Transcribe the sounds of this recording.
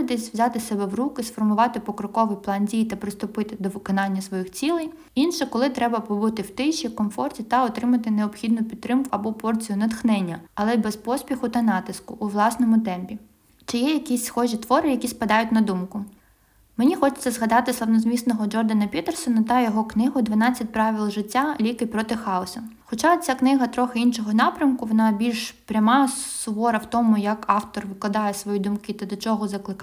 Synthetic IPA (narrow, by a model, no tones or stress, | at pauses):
d̪ɛsʲʋzʲɑt̪ɪsɛbɛʋrukɪsfɔrmʊʋɑt̪ɪpɔkɾɔkɔʋɪjplˠɑndʲijt̪ɐpɾɪst̪ʊpɪt̪ɪd̪ɔʋɪkɔnɑnʲːɐsʋɔjixt͡sʲilˠɪj | inʃɛkɔlˠɪt̪ɾɛbɐpɔbut̪ɪwt̪ɪʃikɔmfɔrtʲit̪ɐɔt̪ɾɪmɐt̪ɪneɔpxʲid̪nʊpʲidt̪t̪ːɾɪmkʊɐbɔpɔrt͡sʲijʊnɐd̪xnɛnʲːɐɐlˠɛbɛspɔsʲpʲixʊt̪ɐnɑt̪ɪskʊʔːʋlˠɑsnɔmʊt̪ɛmpʲi | t͡ʃɪjɛjɐkʲisʲsxɔʒʲit̪ʋɔɾɪjɐkʲispɐd̪ɑjʊtʲnɐd̪umkʊ | menʲixɔt͡ʃɪ̥t͡sʲːɐzɦɐd̪ɑt̪ɪslˠɐwnɔzʲmʲisnɔɦɔd͡ʒɔrd̪ɐnɐpʲit̪ɛrsɔnɐt̪ɐjɔɦɔknɪɦʊd̪ʋɐnɑt͡sʲːɐt̚ʲpɾɑʋʲilˠʒɪtʲːalʲikɪpɾɔt̪ɪxɑʊsʲɐxɔt͡ʃɑɔt͡sʲaknɪɦɐt̪ɾɔxɪinʃɔɦɔnɑpɾʲɐmkʊʋɔnɑbʲilʲʃpɾʲɐmɑsʋɔɾɐwt̪ɔmʊjɐkɑwt̪ɔrʋɪklˠɐd̪ɑjɛsʋɔjid̪ʊmkɪt̪ɐd̪ɔt͡ʃɔɦɔzɐklˠɪk